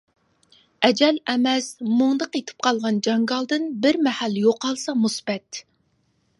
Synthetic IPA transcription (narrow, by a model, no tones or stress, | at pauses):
ɛd͡ʒɛlɛmɛsmoŋd̪əqet̪ʰɪ̥p̚qʰɑlˠʁɑnd͡ʒɑŋɡɑlˠd̪ɨnbɪɾmɛhæljoqːɑlˠsɑmusbɛt̪